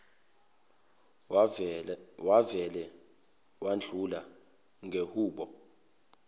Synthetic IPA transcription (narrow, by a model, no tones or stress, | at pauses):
waɛlɛ | wand͡ɮʱula | ŋɡʱehuːɓɔ